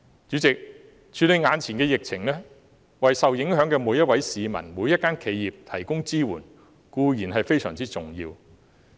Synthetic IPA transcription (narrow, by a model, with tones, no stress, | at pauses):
t͡ʃyː˨˥t͡sɪ˨k̚ | t͡ʃʰyː˨˧le˨˧jŋaː˨˧nt͡sʰi˨˩nkɛː˧jɪ˨k̚t͡sʰɪ˨˩ŋlɛ˥ | wɐ˨jsɐ˨wjɪ˨˥ŋɦœː˨˥ŋkɛː˧muː˨˧jɐ˥t̚wɐ˨˥jsiː˨mɐ̰˨˩nmuː˨˧jɐ˥t̚kːaː˥nkʰe˨˧jiː˨p̚t̪ʰɐ˨˩jkʊ˥ŋt͡siː˥wṵː˨˩n | kuː˧jiː˨˩nɦɐ˨jfe˥jsœː˨˩ŋt͡siː˥t͡sʊ˨ŋjḭː˧w